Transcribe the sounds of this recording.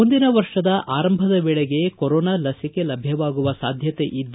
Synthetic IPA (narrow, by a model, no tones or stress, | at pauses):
und̪inɐʋɐɾʂɐd̪ɐʔʔaːɾɐmbʱɐd̪ɐbɛɭeɡe̞koɾɔːnaːlɐsike̞lɐbʱjɐʋaːɡuʋɐsaːd̪ʱjɐt̪e̞̰ʔid̪ː